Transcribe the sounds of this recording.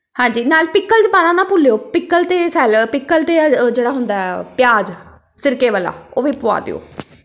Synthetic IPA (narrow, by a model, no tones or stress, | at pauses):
hãːɲd͡ʒiːnaːlpɪkːəld͡ʒ̪ɪpaːnãːnãːpʊlejoːpɪkːəlt̪eːsɛːlpɪkːəlt̪eːd͡ʒeːɽaːɦʊnd̪aːɦɛːpjaːd͡ʒ | sɪɾkeːʋəːla̰ːoːʋiːpʊa̰ːd̪ḛo̰ː